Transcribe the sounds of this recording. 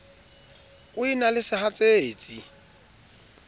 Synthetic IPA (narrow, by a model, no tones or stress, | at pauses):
ʊinalɪsɪhat͡sʼeːt͡sʼi